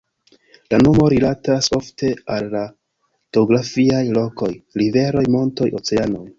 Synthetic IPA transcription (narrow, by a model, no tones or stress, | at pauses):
lano̞mo̞ɾilataso̞fte̞alːa | ɡ̥eoɡɾafiajlo̞ko̞jɾive̞ɾo̞jmo̞nto̞jʔo̞̰t͡se̞ano̞j